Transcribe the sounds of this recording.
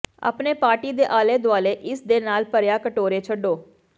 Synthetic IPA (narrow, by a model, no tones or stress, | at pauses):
ə̰pneːpaːɾʈiːd̪eːʔaːleːd̪ʊaːleːʔɪsd̪eːnaːlpəɾjaːkəʈoːɾeːt͡ʃʰəɖoː